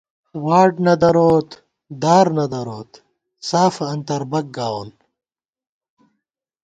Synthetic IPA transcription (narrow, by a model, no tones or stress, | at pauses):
waːʈnɐd̪ɐɾoːt̪ | d̪aːɾnɐd̪ɐɾoːt̪ | saːfɐnt̪ɐɾbɐɡ̚ɡaːwon